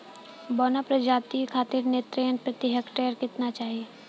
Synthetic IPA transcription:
bɔːnapɾəd͡ʒaːt̪ikʰaːt̪ɪɾnet̪ɾejənpɾɐt̪ɪɦəkʈeːəɾkɪt̪nat͡ʃaːɦie

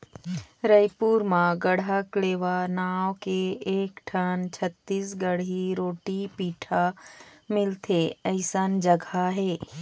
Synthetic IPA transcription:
ɾəjpuːɾmãɡəɽakleːʋanaːwkeeːkʈʰənt͡ʃʰət̪ːiːsɡəɽɦiɾoːʈipiːʈʰamɪlt̪ʰeəɪsand͡ʒəɡʱaɦɛː

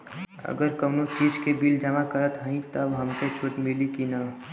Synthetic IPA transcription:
ə̰ɡəɾkəwnot͡ʃiːd͡ʒkebild͡ʒəmakəɾət̪ɦəĩt̪oɐbɦəmket͡ʃʰuʈmilikina

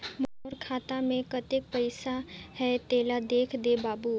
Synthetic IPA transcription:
mɐɦoːɾkʰaːt̪amẽkət̪ek̚pəɪsahɛt̪eːlad̪eːkʰd̪ebaːbu

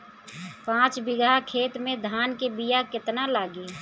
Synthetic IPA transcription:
pãːt͡ʃbɪɡakʰeːt̪mẽd̪ʱaːnkebijakɪt̪nalaːɡeː

